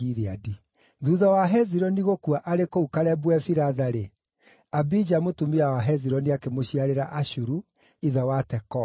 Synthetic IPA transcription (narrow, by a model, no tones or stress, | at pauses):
iɾeadi | ðuðawaɦɛziɾɔniɣokuaʔaɾekoukaɾɛbwɛfiɾaðaɾe | abid͡ʒamotumiawaɦɛziɾɔniakemoɕiaɾeɾaʔaɕuɾu | iðawatɛkɔ